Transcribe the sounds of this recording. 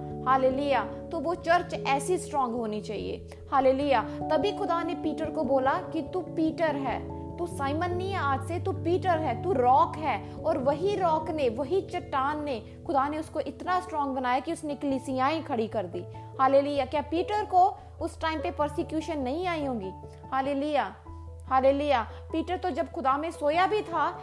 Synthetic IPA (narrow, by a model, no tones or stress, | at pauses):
haːleːlujaːt̪oʋot͡ʃɐɾt͡ʃɛːsisʈɾɔ̃ːŋɡɦoːnit͡ʃaːɦḭḛː | haːleːlujaːt̪ɐbʱixʊd̪anepiːʈəɾkoboːlakit̪upiːʈəɾɦɛː | t̪usaːɪmənːiaːd͡ʒset̪upiːʈəɾɦɛːt̪uɾɔːkɦɛːɔːɾʋɐɦiɾɔːkneʋɐɦit͡ʃɐʈːaːnːe | xʊd̪aneʊskoʔɪt̪nasʈɾɔ̃ːŋɡ̚bɐnaːjakiʊsnekəliːsijaːẽkʰɐɽikɐɾd̪iː | haːleːlujaːkjaːpiːʈəɾko | ʊsʈaːɪmpepəɾsɪkjuːʃənːɐɦĩaːiɦõːɡiː | haːleːluːjaː | haːleːlujaː | piːʈəɾt̪od͡ʒɐbxʊd̪amẽsoːjabʱit̪ʰaː